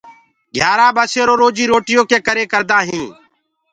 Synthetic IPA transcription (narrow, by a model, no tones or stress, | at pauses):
ɡʱjaːɾaːbaːseːɾoːɾoːd͡ʒiːɾoːʈɪjõːkeːkəɾeːkəɾd̪aːɦĩː